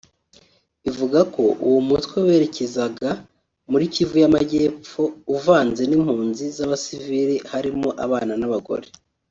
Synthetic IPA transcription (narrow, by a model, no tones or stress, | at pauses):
ivuɡako̞ʔṵwumutwewe̞ɾe̞ce̞zaɡa | muɾicivujamaɟe̞ːp͡fo̞uvaːnze̞nim̥huːnzizaβasiviɾihaɾimoʔaβaːnanaβaɡo̞̰ɾe̞